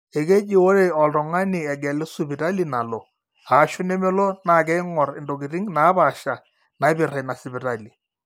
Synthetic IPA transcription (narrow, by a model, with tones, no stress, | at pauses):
e˨ke˦d͡ʒɪ˨wo˦ɾe˨ɔ˨ltɔ˨ŋa˦nɪ˨ɛ˨ɡɛ˨lɛ˦su˦bɪ˨ta˦li˨na˨lɔ˨ | a˨˦ʃʊ˦nɛ˦mɛ˦lɔ˦na˨k̬ɛ˦ɪ˦ŋɔ˨rɪ˨ndo˨ɡɪ˨ɾɪ˦ŋna˨˦ba˨ʃa˨ | na˨ɪ˦bɪ˨ra˨na˨sɪ˨bɪ˨ta˦li˨